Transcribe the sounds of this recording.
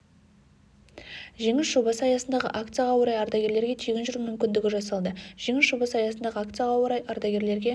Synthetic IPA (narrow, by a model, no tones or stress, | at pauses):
ʒe̞ŋɪsʒo̞bɑsəɑjɑsənd̪ɑʁə̰ʔakt̪sɨjaʁɑwəɾɑjɑɾd̪ɑɡʲe̞ɾle̞ɾɡʲe̞t̪ʰeɡʲɪnʒʏɾumʏmkʲɪnd̪ɪɡʲɪʒɑsɑlˠd̪əʒ̥e̞ŋɪsʒobɑsɑjɑsənd̪ɑʁəak̚t̪sɨjaʁɑwəɾɑjɑɾd̪ɑɡʲe̞ɾle̞ɾɡʲe̞